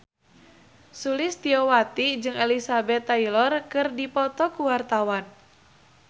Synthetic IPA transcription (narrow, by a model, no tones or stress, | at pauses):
sulist̪iɔwat̪id͡ʒɨŋɛlisabɛt̪ːailɔrkɨrdipɔt̪ɔkuwart̪awan